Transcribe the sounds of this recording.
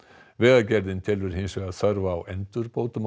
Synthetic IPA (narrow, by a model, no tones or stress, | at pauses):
vɛːðacɛɾðɪnt̪ʰɪlʏɾ̥hɪnsœɣaðsœɾvaːwʔɛnt̪ʏɾpowt̪ʊm